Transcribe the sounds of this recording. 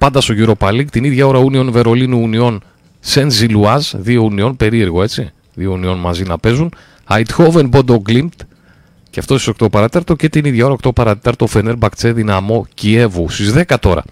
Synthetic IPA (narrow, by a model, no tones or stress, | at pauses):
pɐnd̪ɐst̪o̞ʝuɾo̞pɐlikt̪iniðʝɐoɾɐunio̞nve̞ɾo̞linuːnio̞n | senziluɐzðio̞unio̞npe̞ɾie̞ɾɣo̞e̞t͡si | ðiounio̞nmɐzinɐpe̞zun | ɐjt̪xo̞venbod̪oɡlimt̪ | ceɐft̪ost̪i̥so̞k̚t̪o̞pɐɾɐt̪et̪ɐɾt̪o̞ce̞t̪iniðʝɐo̞ɾɐok̚t̪o̞pɐɾɐt̪et̪ɐɾt̪o̞fe̞ne̞ɾbɐkt͡se̞ðinɐmo̞cie̞vust̪izðe̞kɐt̪o̞ɾɐ̰